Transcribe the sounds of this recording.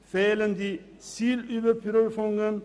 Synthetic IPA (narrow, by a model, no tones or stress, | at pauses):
feːlənd̪i | siːlyːʋəɾpʰɾøːɾfɔŋɡən